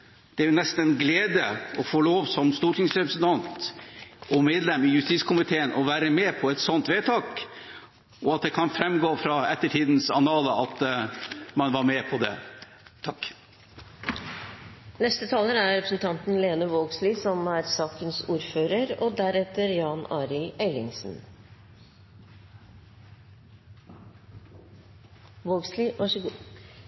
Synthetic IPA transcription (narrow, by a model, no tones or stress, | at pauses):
d̪̥ɛæɾjʊnɛst̪n̩ɛnɡleːd̪əɔfoːloːʋsɔmst̪uːʈʰɪŋsɾɛpɾəsənt̪ʰɑnt̪ | ʔɔmeːd̪lɛmɪjʉst̪iːskʰʊmɪt̪ʰeːənʔɔʋæːɾəmeːpʰɔɛt̪sɔnt̪ʋeːt̪ʰɑːk | ɔɑt̪̚d̪ɛkʰɑnfɾɛmɡoːfɾɑɛt̪ːəʈʰiːd̪n̩sɑnɑːləɑt̪ | mɑnʋɑɾmɛpʰɔd̪ɛ̰ | t̪ʰɑkː | nɛst̪ət̪ʰɑːləɾæɾɾɛpɾəsnt̪ʰɑnt̪n̩leːnəʋoːɡsliːsɔmæɾsɑːkənsuːɾføːɾəɾɔd̪æɾɛt̪əɾjɑːnɑːɾɪlæɪlɪŋsn̩ | ʋoːɡsliɑʂɡ